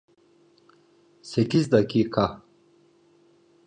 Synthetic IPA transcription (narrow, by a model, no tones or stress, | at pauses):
sekisd̪akikʰa